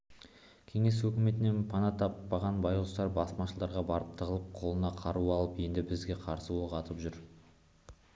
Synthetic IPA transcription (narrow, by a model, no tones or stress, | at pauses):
kʲʰe̞ŋe̞s̬wɵkʲɪme̞t̪ɪne̞npʰɑnɑt̪ʰɑpːɑʁɑnbɑjlˠəst̪ɑɾbɑsmɑʃəlˠd̪ɑɾʁɑbɑɾəp̚t̪ʰəʁəlˠəp̚qʰo̞lˠənɑqʰɑɾuɑlˠəpje̞nd̪ɪbɪzɡʲe̞qʰɑɾsəwoʁɑt̪əpʒʏɾ